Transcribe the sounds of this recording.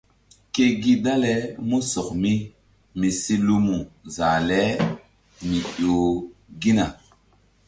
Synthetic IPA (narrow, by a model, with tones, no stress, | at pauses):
ke˦ɡi˦da˦lɛ˨˦mu˦sɔ˨kmi˦ | mi˨si˦lu˦mu˨za˨lɛ˦ | mi˨jo˨ɡi˦na˨